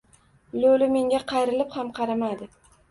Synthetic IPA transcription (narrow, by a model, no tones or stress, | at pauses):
lolɪme̞ŋɡʲaqʰɑjɾɪlɪphamqʰɑɾamad̪ɪ